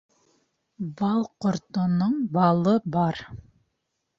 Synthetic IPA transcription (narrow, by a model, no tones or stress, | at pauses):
bɑlˠqŏɾt̪ŏnoɴbɑlˠɤbɑɾ